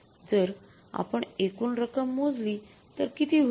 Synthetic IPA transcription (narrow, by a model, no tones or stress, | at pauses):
d͡zəɾ | a̰pəɳekuːnɾəkəmːod͡zli | t̪əɾkit̪iːɦ